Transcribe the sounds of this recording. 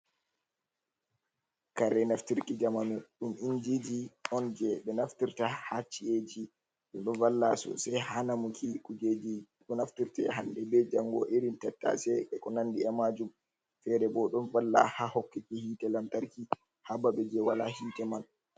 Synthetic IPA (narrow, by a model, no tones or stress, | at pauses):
kaɾɛnaftiɾkid͡ʒamanuɗumʔind͡ʒid͡ʒiɔnd͡ʒɛɓɛnaftiɾtahat͡ʃːied͡ʒi | ɗɛnɗɔvalːa̰sɔ̰sɛjhanamukʰikud͡ʒed͡ʒi | ɗɔnaftiɾtɛ̰ɦandɛbɛd͡ʒaŋːɡɔ̰ʔeɾintɛtːa̰sɛɓɛkɔnandiɛmad͡ʒum | fɛɾɛbɔɗɔnvalːa̰hahɔkːikihiːtɛlamtaɾki | habaɓɛd͡ʒɛwalahiːtɛman